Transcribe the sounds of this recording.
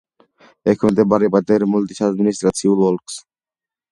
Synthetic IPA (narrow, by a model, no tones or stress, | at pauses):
ekʰont̪ebaɾipat̪eɾmult̪iʃaad̪minist̪ɾasʰiulwolks